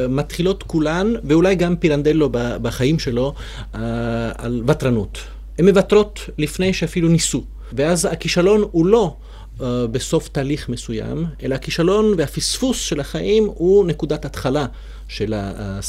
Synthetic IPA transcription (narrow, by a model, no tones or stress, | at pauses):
mat̪χilo̞t̪kulanveulajɡampiɾand̪elobabaχaimʃe̞lo̞ | aa̰lvat̪ɾanut̪ | hemːe̞vatʁo̞t̪lifne̞jʃeafilunisu | veazhakiʃalo̞nulo̞ | beso̞ft̪aːliχme̞suja̰mʔe̞laakiʃalo̞nveafisfusʃe̞lhaχaʔimhunekud̪atat̪χala | ʃela̰